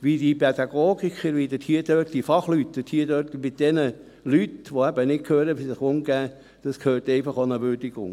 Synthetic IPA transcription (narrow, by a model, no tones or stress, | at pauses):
ʋidipʰɛd̥̪ɑɡ̥oːɡikχəɾʋid̥̪əthiəd̥œtd̥ifɑχlytːd̥ət̪hiədøːtmɪt̚d̥ɛnə | lytʋoæbənɪkkʰøːɾəʋisɪχʊŋɡæː | d̪̥ɑskʰøːrtɛɪfɑχonəʋʏɾdɪɡʊ̰ŋ